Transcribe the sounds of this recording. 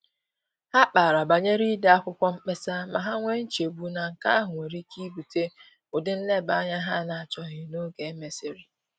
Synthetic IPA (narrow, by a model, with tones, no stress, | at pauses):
ha˦k͡pa˨ɾa˨ba˨ɲe˦ɾi˦da˦a˦kʷʊ˦kʷɔ˦m̩˦k͡pe˦sa˦ma̰˨ɦa˦ŋʷe˦n̩˦t͡ʃe˨bu˦na˨ŋ̩˨ka̰˦a˦ɦʊ˨ŋʷe˨ɾi˦kʰi˦bu˨te˦ | ʊ˨dɪ˦n̩˦le˦˨ba˨˦ɲa˦ɦa˦˨na˨a˨t͡ʃɔ˦ɦɪ˨no˦ɡe˨˦me˦sɪ˨ɾi˨